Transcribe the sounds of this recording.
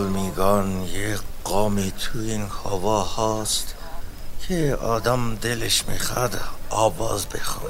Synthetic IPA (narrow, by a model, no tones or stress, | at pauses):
lmiɡɑnjeqɑːmit̪ʰuinhɔvɑhɑːst̪ | kʰeɑːd̪amd̪eleʃmixæd̪ɒːvɑːzbexɑn